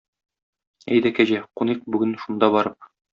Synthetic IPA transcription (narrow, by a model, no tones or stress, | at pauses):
æ̰jd̪ækæʑæquniq̚bʉɡɘnʃund̪ɑbɒɾɤp̚